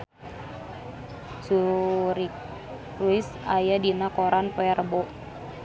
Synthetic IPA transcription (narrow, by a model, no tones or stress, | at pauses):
suɾik̚ | wɪs | ajadinakoɾanpɛrbɔʔ